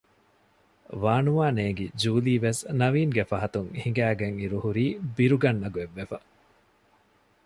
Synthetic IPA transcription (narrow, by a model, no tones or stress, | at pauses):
ʋaːnuʋaːneːɡid͡ʒuːliːʋesnɐʋiːŋɡefɐɦɐt̪uŋhiŋɡæːɡeŋiɾuhuɾiːbiɾuɡɐnːɐɡueʋːefɐ